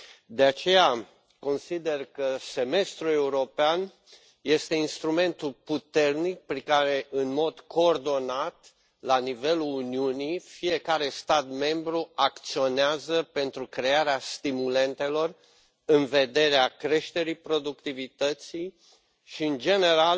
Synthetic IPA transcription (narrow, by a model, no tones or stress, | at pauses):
d̪e̞at͡ʃe̞ja | ko̞nsid̪e̞rkəse̞me̞st̪ɾue̞uɾo̞pean | je̞st̪e̞inst̪ɾume̞nt̪ulput̪e̞rnik̚pɾikaɾe̞ʔɨnmo̞d̪kʰo̞ːrd̪o̞nat̪ | lanive̞luluniunifije̞kaɾe̞st̪at̪me̞mbɾuakt̪sio̞neazəpe̞nt̪ɾukɾe̞aɾeast̪imule̞nt̪e̞lo̞r | ɨnve̞d̪e̞ɾeakɾe̞ʃt̪e̞ɾipɾo̞d̪ukt̪ivit̪ət̪sij | ʃiɨnd͡ʒe̞ne̞ɾal